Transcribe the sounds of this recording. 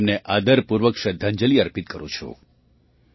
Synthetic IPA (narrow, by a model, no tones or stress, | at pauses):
mneʔad̪əɾpuɾʋəkʃəd̪ʱːaɲd͡ʒəliəɾpit̪̚kəɾũt͡ʃʰo̰